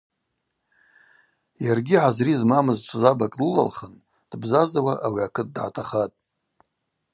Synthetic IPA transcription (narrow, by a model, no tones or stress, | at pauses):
jarɡʲiʕazrizmamɨzt͡ʃʷʰzabakʼlɨla̰lχən | d̥bzazawaʔawiakʰɨt̚ʼdʕa̰tʰaχatʼ